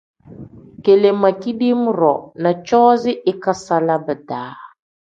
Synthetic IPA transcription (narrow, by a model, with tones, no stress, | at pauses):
ke˨le˨ma˨ki˦di˦m˦ɾɔ˨na˨t͡ʃɔː˦zɪ˦ʔɪ˦ka˦sa˦la˦bə˨daː˨˦